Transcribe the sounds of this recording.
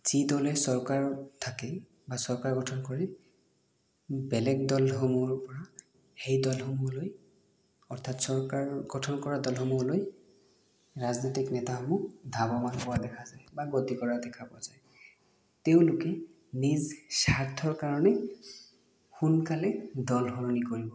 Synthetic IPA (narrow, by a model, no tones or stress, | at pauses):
z̥idɔlɛsɔɹkaɹɔtʰakɛ | basɔɹkaɹɡɔtʰɔnkɔɹɛ | bɛlɛɡ̚dɔlhɔmuɔɹpɔɹa | hejdɔlhɔmuloj | ɔɹt̪ʰatsɔɹkaɹɡɔtʰɔnkɔɹadɔlhɔmuɔloj | ɹaznotiknɛtaxɔmud̪ʱabɔmanpɔwadɛkʰazajbaɡotikɔɹadɛkʰapɔazaj | teʊ̃lʊkɛ | nizsaɹtʰɔɹkaɹɔnɛ | xunkalɛdɔlxɔɹɔnikoɹibɔ